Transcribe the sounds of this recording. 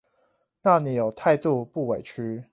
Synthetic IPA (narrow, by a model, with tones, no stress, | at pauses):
na˥˨ni˨˩˦jo˨˩ʊt̪ʰa˥˧ɪt̪u˥˧pu˥˨we˨˩ɪt͡ʃʰy˦